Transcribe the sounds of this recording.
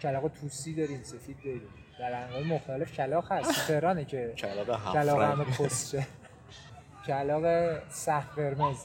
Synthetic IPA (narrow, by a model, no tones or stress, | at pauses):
cʰælɒːɣet̪ʰusiːd̪ɒːɾiːmse̞fiːd̪̚ːɒɾiːm | d̪̥æɾæŋɡɒːjemoxt̪ɒlefcʰælɒːxhæst̪ʰe̞hɾɒːnecʰet͡ʃʰælɒɣɦʰælɒːɣhæmepʰost͡ʃe | cʰælɒːɣesæfɡeɾmez